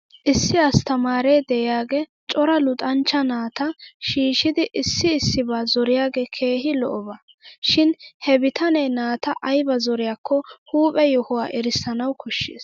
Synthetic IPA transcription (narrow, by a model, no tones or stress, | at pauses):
ʔɪsːɪɐst̪ɐmaːɾɛːd̪ɛjɪjaːɡeːt͡ʃʼɔɾɐlʊt̪ʼɐnt͡ʃːɐnaːt̪ɐʃiːʃɪd̪ɪʔɪsːɪːsːɪbaːzɔɾɪjaːɡeːkʰe̞ːhɪlɔ̰ʔɔba | ʃɪnhɛbɪt̪ɐnɛjnaːt̪ɐʔɐjbɐzɔɾɪjaːkʰːɔhuːpʼɛjɔhɔwaːʔɛɾɪsːɐnɐwkɔʃːḛːs